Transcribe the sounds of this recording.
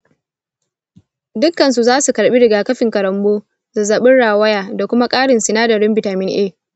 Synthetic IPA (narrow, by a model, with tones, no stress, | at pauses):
dʊ˦kːɐ˨nsu˨zaː˦su˨kɐ˨ɽɓi˦ɽɪ˨ɡaː˨kɐ˦ɸɪ˨ŋkɐ˨ɾɐ˨mboː˦ | zɐ˨zɐ˨ɓɪ˦nɽaː˨wɐ˦jaː˨da˨kʷʊ˦ma˦kʼaː˦ɽɪ˨nsɪ˨naː˦dɐ˨ɾɪ˦mbɪ˨taː˨mɪ˦nʔeː˦˨